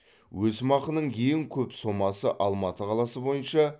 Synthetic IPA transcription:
wɵsmɑqənəɴjeŋkʲʰɵpso̞mɑsəʔɑlˠmɑt̪əqʰɑlˠɑsəbo̞jənʃɑ

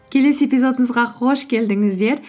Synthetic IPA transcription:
kʲʰe̞le̞sepʲijzo̞d̪əməzʁɑχʰo̞ʃkʲʰe̞ld̪ɪŋɪzd̪e̞ɾ

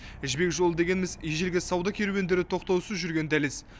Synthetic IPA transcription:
ɪʒbe̞kʒo̞lˠəd̪eɡʲe̞nɪmɪzijʒelɡʲɪsɑwd̪ɑkʲʰe̞ɾuwe̞nd̪e̞ɾɪt̪ʰo̞q̚t̪ɑwsəzʒʏɾɡʲe̞nd̪æles

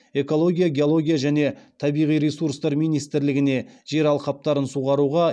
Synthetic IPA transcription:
e̞ko̞lˠo̞ɡʲijaɡʲe̞o̞lˠo̞ɡʲijaʒæne̞t̪ʰɑbijʁijɾesuɾst̪ɑɾmijnijst̪ɪɾlɪɡʲɪne̞ʒ̥e̞ɾɑlˠqɑp̚t̪ɑɾənsuʁɑɾuʁɑ

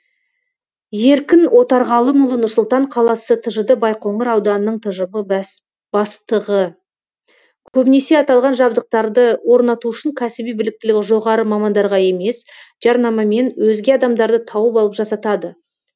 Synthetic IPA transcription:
je̞ɾkʲɪnʔo̞t̪ɑɾʁɑlˠəmʊlˠənʊɾsʊlˠt̪ɑɴqʰɑlˠɑsət̪ʰəʒəd̪əbɑjqo̞ɴəɾɑwd̪ɑnənəɴt̪ʰəʒəbə | b̥ɑst̪əʁə | kʲʰɵbɪne̞se̞ɑt̪ɑlˠʁɑnʒɑbd̪əq̚t̪ɑɾd̪əwo̞ɾnɑt̪uʊʃɪŋkʲʰæsɪbijbɪlɪk̚t̪ɪlɪkʒo̞ʁɑɾəmɑmɑnd̪ɑɾʁɑe̞me̞sʒ̥ɑɾnɑmɑme̞nwʔɵzɡʲe̞ɑd̪ɑmd̪ɑɾd̪ət̪ʰɑwəpɑlˠəpʒɑsɑt̪ɑd̪ə

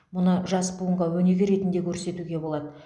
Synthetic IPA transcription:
mʊnəʒɑsbuəɴʁɑwɵne̞ɡʲɪɾe̞t̪ɪnd̪e̞kʲʰɵɾse̞t̪uɡʲe̞bo̞lˠɑd̪ə

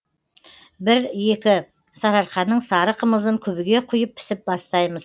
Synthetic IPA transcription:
bɪɾje̞kʲɪ | sɑɾɑɾqɑnəɴsɑɾəqʰəməzəŋkʲʰɵbɪɡʲe̞qʰʊjəp̚pʰːɪ̥sɪp̚bɑst̪ɑjməz̥

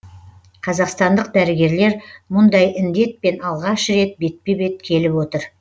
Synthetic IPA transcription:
qʰɑzɑqst̪ɑnd̪əq̚d̪æɾɪɡʲe̞ɾle̞ɾmʊnd̪ɑjʔɪnd̪e̞t̪̚pe̞nɑlˠʁɑʃɾe̞t̪̚be̞t̪̚pebe̞t̪̚kʲʰe̞lɪpwo̞t̪əɾ

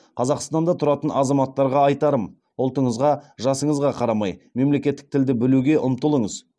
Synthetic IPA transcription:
qʰɑzɑqst̪ɑnd̪ɑt̪ʰʊɾɑt̪ənɑzɑmɑt̪ːɑɾʁɑɑjt̪ɑɾəm | ʊlˠt̪əɴəzʁɑʒɑsəɴəzʁɑqʰɑɾɑmɑjme̞mle̞kʲe̞t̪ːɪ̥k̚t̪ʰɪld̪ɪbɪluɡʲe̞ʔʊmt̪əlˠəɴəz

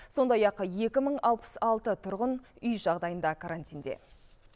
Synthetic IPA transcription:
so̞nd̪ɑjɑqje̞kʲɪməɴɑlˠpə̥sɑlˠt̪ət̪ʰʊɾʁənʏjʒɑʁd̪ɑjənd̪ɑkʰaɾant̪ind̪e̞̰

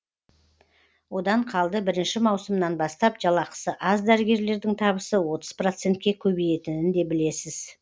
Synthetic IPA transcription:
wod̪ɑɴqʰɑlˠd̪əbɪɾɪnʃɪmɑwsəmnɑnbɑst̪ɑpʒ̥ɑlˠɑqə̥səʔɑzd̪æɾɪɡʲe̞ɾle̞ɾd̪ɪŋt̪ʰɑβəsəwo̞t̪əzpro̞t̪se̞nt̪kʲe̞kʲʰɵbeje̞t̪ɪnɪnd̪e̞bɪle̞sɪz

